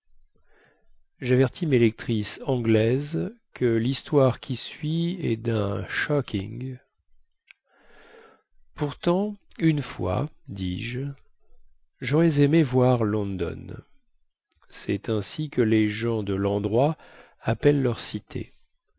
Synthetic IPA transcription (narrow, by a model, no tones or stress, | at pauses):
ʒavɛʁt̪ʰimelɛk̚t̪χisɑ̃ɡlɛzkʰəlist̪waʁkʲʰisɥiɛd̪ɛ̃ʃɔkʲʰḭ̃ŋɡ | puʁt̪ɑ̃ynfwa̰ | d̪iʒ | ʒɔʁɛzemevwaʁlɔ̃d̪ɔ̰n | sɛt̪ɛ̃sikəleʒɑ̃d̪əlɑ̃d̪ʁwa | apɛlːœʁsit̪ʰḛ